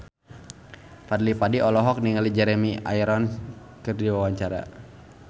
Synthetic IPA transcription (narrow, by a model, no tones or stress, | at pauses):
fadlipadiʔɔlɔɦɔk̚niŋalid͡ʒɛɾɛmia̰jɾɔn | kɨrdiwawaɲt͡ʃaɾa̰